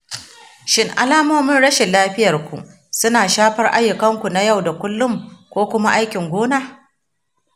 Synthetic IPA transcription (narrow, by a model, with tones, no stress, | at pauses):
ʃɪ˦ŋʔa̰˨laː˦moː˦mɪ˦nɽɐ˦ʃe˨lːaː˦ɸɪ˦jɐ˨rkʷṵ˨ | sʊ˦naː˨ʃaː˦ɸɐ˦rʔa˦jːʊ˨kɐ˦ŋkʷu˨na˦ja˦˨wda˨kʷʊ˦lːʊ˦mkʷoː˦kʷʊ˦ma˦ʔa˦jkʲɪ˨ŋɡʷoː˦naː˦